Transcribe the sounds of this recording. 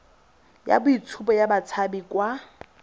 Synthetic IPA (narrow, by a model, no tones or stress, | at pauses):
ja̰bʊit͡sʰupɔjabat͡sʰabikwa